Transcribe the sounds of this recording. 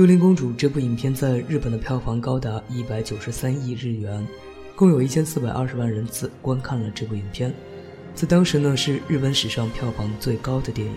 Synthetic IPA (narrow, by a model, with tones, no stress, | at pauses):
jo˥ʊli˧˥ŋkʊ˥ŋʈ͡ʂu˨˩ʈ͡ʂɤ˥˧p̬u˥˩i˨˩npʰjɛ˥nt͡sa˥˧ɪɻɻ̩˥˩pə˨˩nd̪ə˦pʰjɑ˥˩ʊfɑ˧˥ŋkɑ˥ʊt̪a˧˥i˥pa˧˥ɪt͡ɕjo˨˩ʊʂɻ̩˧˥sa˥ni˥˧ɻɻ̩˥˩ɥɛ˧˥n | kʊ˥˩ŋjo˨˩ʊi˥˩t͡ɕʰjɛ˥nsɹ̩˥˩pa˨˩ɪʔɐ̰˥˧˩ʂɻ̩˧˥a˥˩nɻə˧˥nt͡sʰɹ̩˥˩kwa˥nkʰa˥˩nlə˩ʈ͡ʂɤ˥˧p̬u˥˩i˨˩npʰjɛ˥˧n | t͡sa˥˩ɪt̪ɑ˥ŋʂɻ̩˧˥nə˧ʂɻ̩˥˧ɻɻ̩˥˩pə˧˥nʂɻ̩˨˩ʂɑ˥˧ŋpʰjɑ˥˩ʊfɑ˧˥ŋt͡swe˥˩˧ɪkɑ˥ʊd̪ə˨t̪jɛ˥˩nḭ˨˩˦